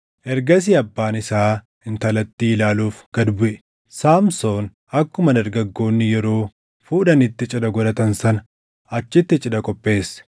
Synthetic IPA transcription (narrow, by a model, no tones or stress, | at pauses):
ʔɛɾɡɐs̬iɐbːaːnɪsaː | ɪnt̪ɐlɐt̪ːiːɪlaːluːfɡ̥ɐd̪bʊʔɛ̥ | saːmso̞ːn | ɐkːʊmɐd̪ɐɾɡɐɡːo̞ːnːɪjɛɾo̞ː | fuːdɐnɪt̪ːɪt͡ʃʼɪdɐɡɔlɐt̪ɐnsɐnɐ | ɐt͡ʃːɪt̪ːɪt͡ʃʼɪdɐkʼɔpʼːe̞ːsː